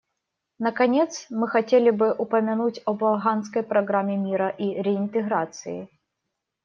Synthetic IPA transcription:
nəkɐnʲet̪smɨxɐtʲelʲɪbɨʔʊpəmʲɪnutʲɐbɐlˠɦanskəjpɾɐɡɾamʲɪmʲiɾəʔiɾʲɪɪnt̪ɨɣɾat̪sɨ̰jɪ̰

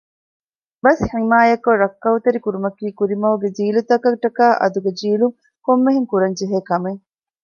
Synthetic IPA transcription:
bɐsħimaːjɐkoɾɐkːɐut̪ɐɾikuɾumɐkiːkuɾimɐɦuɡed͡ʒiːlut̪ɐkɐʈɐkaːʔɐ̰d̪uɡed͡ʒiːluŋ | komːeɦiŋkuɾɐɲd͡ʒeɦeːkɐmeŋ

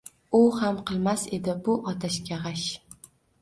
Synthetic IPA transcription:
ʊhamqʰɨlˠmase̞d̪ɪbʊʔɒt̪ʰaʃkʲaʁaʃ

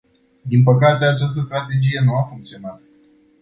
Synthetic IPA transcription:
d̪inpəkat̪e̞at͡ʃast̪əst̪ɾat̪e̞d͡ʒije̞nuafuŋk̚t̪sio̞nat̪

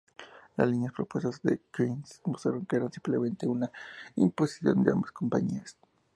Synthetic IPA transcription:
la̰slinjaspɾopwest̪azðḛkinsmust̪ɾa̰ɾoŋkeeɾansimplemẽnt̪eunaimposi̥sjo̞̰nd̪ea̰mbaskompaɲias

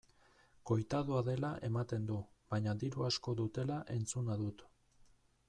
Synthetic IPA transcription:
ko̞jt̪aðoaðe̞laʔe̞mat̪e̞nd̪uβaɲad̪iɾuasko̞ðut̪e̞laʔe̞nt͡sunaðut̪

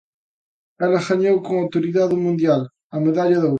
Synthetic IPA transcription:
ɛlɐɣaɲowkõŋawt̪oɾiðaðʊmũnd̪jal | ɐmeðaʎɐðo

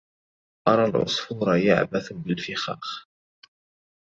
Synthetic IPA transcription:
ʔɑɾˤɑːlʕʊ̰sˤfuːɾˤɑja̰ʕbaθbɪlfɪxɑ̰ːx

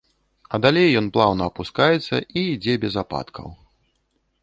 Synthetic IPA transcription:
ɐd̪alʲejːɔnplˠawnɐːpuskajɛt̪sːɐ̰ʔiːd͡zʲɛbʲɛzapa̰t̪kʰɐ̰w

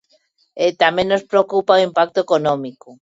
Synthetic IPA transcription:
et̪amẽŋnnospɾeokupaoimpak̚t̪oekonõmiku

